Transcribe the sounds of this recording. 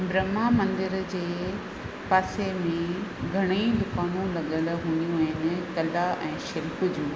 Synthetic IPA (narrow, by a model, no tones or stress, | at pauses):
bɾɐmamɐ̃nd̪ɪɾd͡ʑeː | paːsemẽɡʱɐɽ̃id̪ʊkaːnũlɐɠəlɦũːnijũɦɪn̆kɐlaʔɛ̃ːʃɪlkʊd͡ʑũ